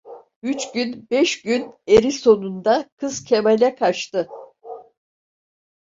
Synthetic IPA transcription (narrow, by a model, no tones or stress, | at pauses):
yt͡ʃɟynbɛʃɟyneɾiso̞nund̪akʰɯz̥cʰe̞melʲɛkʰat͡ʃt̪ɯ